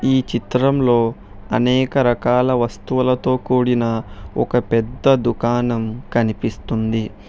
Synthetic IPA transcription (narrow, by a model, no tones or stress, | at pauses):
iːt͡ʃit̪ɾɐmlo̞ː | ɐnɛːkɐɾɐkaːlɐʋɐst̪uʋɐlɐt̪o̞ːkuːɽinɐɔkɐpɛd̪ːɐd̪ukaːnɐmkɐnipist̪und̪i